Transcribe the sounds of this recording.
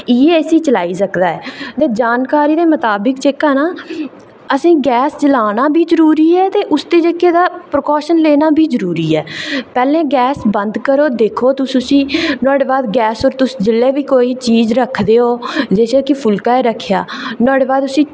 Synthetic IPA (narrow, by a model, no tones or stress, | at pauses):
iːeeːsiːt͡ʃəlaːiːsəkd̪aːɛːt̪eːd͡ʒaːnkaːɾiːd̪eːmət̪aːbəkt͡ʃeːkaːnaː | əsĩːɡɛːst͡ʃəlaːnaːbʱiːzəɾuːɾiːɛːt̪eːʔʊsd̪eːd͡ʒəkeːd̪aːpɾkɔːʃənleːnaːbʱiːzəɾuːɾiːɛːpɛːlẽːɡɛːsbənd̪kəɾoːd̪eːkʰoːt̪ʊsʊsĩːnɔːɽeːbaːd̪ɡɛːsoːɾt̪ʊsd͡ʒɪlːeːbiːkoːiːt͡ʃiːzɾəkʰd̪eːɦoːd͡ʒeːseːkɪpʰʊlkaːeːɾəkʰːja̰ːnɔːɽeːbaːd̪ʊsĩː